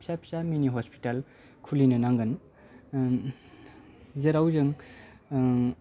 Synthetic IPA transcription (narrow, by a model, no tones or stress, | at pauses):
pʰsapʰsaminiɦɔspi̥tal | kʰulinɯnaŋɡɯn | zeɾawzɯŋ